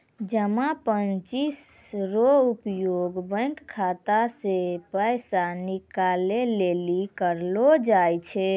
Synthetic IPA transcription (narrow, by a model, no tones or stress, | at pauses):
d͡ʒəmapənt͡ʃisɾoupjoɡbə̃ŋkkʰːat̪asepəjsanikalelelikəɾlod͡ʒajt͡ʃʰɛ